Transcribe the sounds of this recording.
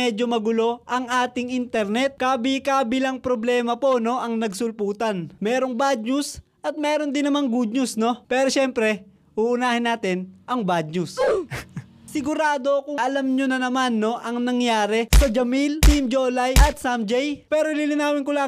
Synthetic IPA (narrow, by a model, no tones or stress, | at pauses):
ɛd͡ʒomɐɡʊlo̞ʔɐŋʔaːt̪ɪŋint̪ɛɾnɛt̪̚kaːbɪkaːbɪlɐŋpɾoblɛːmɐpo̞no̞ʔɐŋnɐɡsʊlpuːt̪ɐnmɛːɾoŋbad̪̚ɲʊs | ʔɐt̪̚mɛːɾo̞nd̪ɪnːɐmaŋɡud̪̚ɲʊsno̞pɛːɾoʃɛmpɾɛ | uːʔʊnaːhɪnːaːt̪ɪnʔɐŋbad̪̚ɲʊs | sɪɡʊɾaːd̪o̞kʊŋʔɐlamɲonɐnɐmanːo̞ʔɐŋnɐŋjaːɾɛsɐd͡ʒɐmilt̪imd͡ʒoːlɐjʔɐt̪̚samd͡ʒɛjpɛːɾolilɪnaːmɪnkʊla